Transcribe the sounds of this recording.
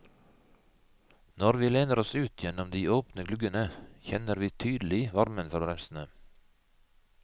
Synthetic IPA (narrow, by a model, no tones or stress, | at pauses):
nɔɾʋiːleːnəɾɔsʉːt̪ʰjɛnɔmd̪iːoːpnəɡlʉɡənəçɛnəɾʋiːt̪ʰyːd̪l̩ɪʋɑɾmənfɔɾbɾɛmsn̩ə